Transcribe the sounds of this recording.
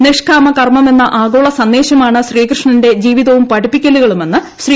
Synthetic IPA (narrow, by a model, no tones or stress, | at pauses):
neʂkʰaːmɐkɐrmɐme̞nːɐʔaːɡoːɭɐsɐnd̪e̞ːɕɐmaːɳɨɕriːkrɨʂɳɐnde̞d͡ʑiːʋiðɐʋumpɐɽipːikʲːɐluɣɐɭume̞nːɨ | ɕriː